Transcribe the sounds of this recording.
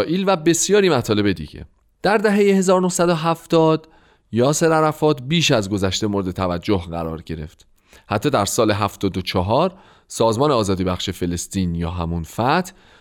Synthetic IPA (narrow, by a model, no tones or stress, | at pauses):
ʔiːlvæbe̞sjɒːɾiːmæt̪ʰɒːle̞be̞d̪ḭɟḛ | d̪̥æɾd̪æɦe̞jehe̞zɒːɾonohsæd̪oɦæft̪ɒːd̪ | jɒːseɾæɾæfɒːt̪biːʃæzɡo̞zæʃt̪e̞mo̞ɾed̪et̪ʰævæd͡ʒːohɢæ̰ɾɒ̰ːɾɟe̞ɾe̞̰ft̪ | hæt̪ʰːɒːd̪æɾsɒːle̞ɦæft̪ɒːd̪ot͡ʃʰɒɦɒːɾ | sɒːzmɒːneɒːzɒːd̪iːbæxʃefe̞le̞st̪iːnjɒ̰ːɦæ̰munfæt̪ʰ